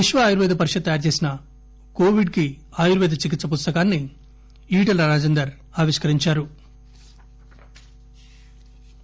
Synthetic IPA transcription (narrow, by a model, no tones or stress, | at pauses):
iʂʋɐːjuɾʋɛːd̪ɐpɐɾiʂɐd̪̚t̪ɐjaːɾt͡ʃe̞ːsinɐ | ko̞ːʋiɖki | aːjuɾʋɛːd̪ɐt͡ʃik̬it̪sːɐp̬ust̪ɐkaːnːi | iːʈɐlɐɾaːd͡ʒɛnd̪ɐɾ | aːʋiʂkɐɾiɲt͡ʃaːɾu